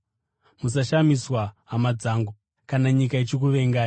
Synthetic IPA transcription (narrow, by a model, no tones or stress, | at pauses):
mus̬aʃamiswaɦamad͡zaːŋɡu | kanaɲikait͡ʃik̬uʋe̞ŋɡaːji